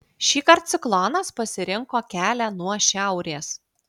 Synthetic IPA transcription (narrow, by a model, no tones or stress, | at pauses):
ʃʲiːkɐɾt̪t̪sʲɪklˠoːnɐspɐsʲɪɾʲɪŋkoːkʲæːlʲɛnuɔʃʲæˑʊɾʲeːs